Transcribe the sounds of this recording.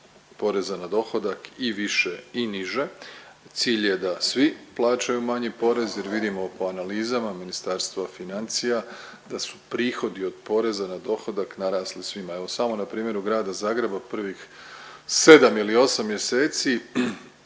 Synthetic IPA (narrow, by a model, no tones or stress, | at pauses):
po̞ɾe̞zanad̪o̞xo̞d̪akiʋiʃe̞iniʒe̞t̪siːʎje̞d̪asʋiplˠaːt͡ʃajumaɲipo̞ɾe̞zjeɾʋid̪imo̞po̞analiːzamaminist̪aɾst̪ʋafinant̪sija | d̪asu̥pɾiːxo̞d̪io̞d̪po̞ɾe̞zanad̪o̞xo̞d̪aknaɾaːslisʋimae̞ʋo̞samo̞napɾiːmje̞ɾuɡɾaːd̪azaːɡɾe̞bapr̩ʋix | se̞d̪amilio̞samːje̞seːt̪si